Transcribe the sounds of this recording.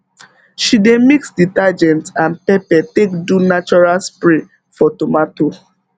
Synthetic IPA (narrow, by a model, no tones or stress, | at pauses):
ʃidemiksditad͡ʒɛ̃ntãnpɛpɛtekdunat͡ʃɔɹalspɹe | fɔtomato